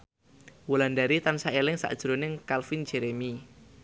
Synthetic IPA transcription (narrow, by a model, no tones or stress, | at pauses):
wulandaɾit̪ansaelɪŋsa̰ʔd̥ʒ̥ɾonɪŋkalfind͡ʒeɾemi